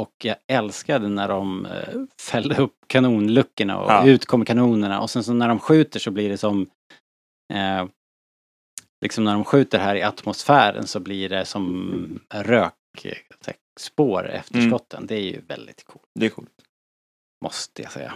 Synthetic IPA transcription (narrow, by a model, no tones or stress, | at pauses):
ɔkjɑɡɛlskaɖɛnæɖɔm | fɛlːəɾɵpːkʰanuːnlɵkːəɳa̰ɔ̰ʉ̟ːt̪kʰɔmːəɾkʰanuːnəɳa̰ʔɔsɛnsɔnæɖɔmɧʉ̟ːt̪əʂɔblɪɖɛsɔm | lʔɪksɔmnæɖɔmɧʉ̟ːt̪əɾɦæːɾɪat̪mʊsfæːɾə̰nsɔblɪɖɛsɔm | ɾøːksɛ̰ | spoːɾɛ̰ft̪ʰəʂkɔt̪ʰːə̰nd̪ɛæɾjɵ̰vɛ̰ld̪ɪt̪kʰṵːlʰː | mʔɔst̪əja̰sɛjːa̰